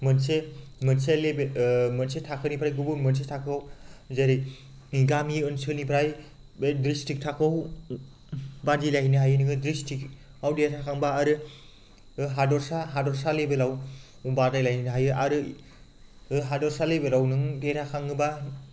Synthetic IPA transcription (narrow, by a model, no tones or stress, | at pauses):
mɯnsemɯnselebemɐnsetʰakʰɯnipʰɾajɡubuɾmɯns̬etʰakʰɯwzeɾij | iɡamiɯnsɯnipʰɾaj | bedɾistik̚tʰakʰɯw | badilahinɯɦajɯnɯɡɯdɾistik | awdeɾʰakʰaŋbaːɾɯ | ɦadɔɾsaɦadɔɾsalebelaw | ubadajlajinɯɦajɯʔaɾɯ | ɦadɔɾsalebeɾawnɯŋdeɾʰakʰaŋɯba